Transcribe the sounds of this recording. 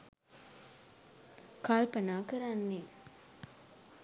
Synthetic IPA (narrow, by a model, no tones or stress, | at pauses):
kaːlpɐnaːkɐɾanːe